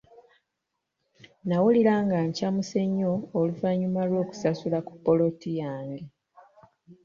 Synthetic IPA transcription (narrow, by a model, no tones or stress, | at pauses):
nawuliɾaːŋɡaɲcamuse̞ɲːo̞ːluvaɲːumalwo̞ːku̥sasulaku̥pːo̞lo̞tijaːŋɡe